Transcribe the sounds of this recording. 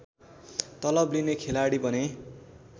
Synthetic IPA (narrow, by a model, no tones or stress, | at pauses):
t̪ʌlʌblinekʰelaɽibʌne